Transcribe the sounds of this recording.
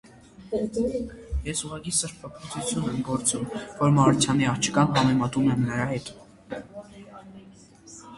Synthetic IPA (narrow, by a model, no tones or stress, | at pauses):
jɛsuʁɑkisəɾpʰɑpʰɔt͡sʰut͡sʰjunɛmɡɔɾt͡sumvɔɾmɑɾut͡sʰjɑniɑχt͡ʃʰə̥kɑnɦɑmɛmɑt̪umɛmnəɾɑhɛt̪